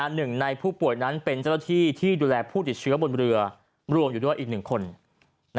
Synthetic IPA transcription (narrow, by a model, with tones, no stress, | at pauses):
a˧nːɯ˨˩ŋna˧jpʰuː˥˩pu˨˩əjna˦˥npe˧nt͡ɕa˥˩na˥˩t̪ʰiː˥˩t̪ʰiː˥˩duː˧lɛː˧pʰuː˥˩t̪i˨˩t̪̚t͡ɕʰɯ˦˥ɐbo˧nɾɯ˧ɐ | ɾu˧əmjuː˨˩du˥˩ə˨ʔ̚ːnɯ˨˩ŋkʰo˧n